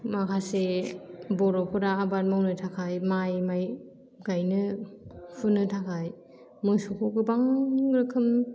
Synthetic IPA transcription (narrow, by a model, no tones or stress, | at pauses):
makʰase | bɔɾɔpʰɯɾaːbat̚mawnɯtʰakʰajmajmaj | ɡajnɯ | pʰunɯtʰakʰaj | mɯjsɔkʰoɡɯbaŋɾɯkʰɯm